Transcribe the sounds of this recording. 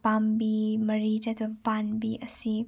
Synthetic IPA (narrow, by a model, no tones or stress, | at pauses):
pambimɐɾid͡ʒɐt̪ʰbpanbiʔɐsi